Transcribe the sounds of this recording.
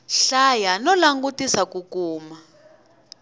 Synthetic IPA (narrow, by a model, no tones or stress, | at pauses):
ɬajanɔlaŋɡutisakukuːma